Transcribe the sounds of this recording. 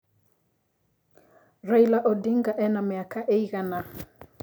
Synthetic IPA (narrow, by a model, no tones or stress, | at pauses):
rejlaʔɔdɪŋɡaʔɛnɔmɪakaʔeiɣana